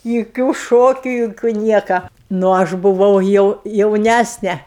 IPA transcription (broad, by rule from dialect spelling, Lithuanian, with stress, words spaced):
jʊˈkʲuː ˈʃoːkʲʊ jʊˈkʲuː ˈnʲiɛkɐ nʊ ˈɐʃ bʊˈʋɐʊ jɛʊ jɛʊˈnʲæsʲnʲɛ